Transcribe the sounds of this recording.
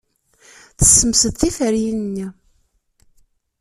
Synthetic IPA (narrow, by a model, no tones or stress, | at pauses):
θə̥sːəmsəðθifəɾjinnːi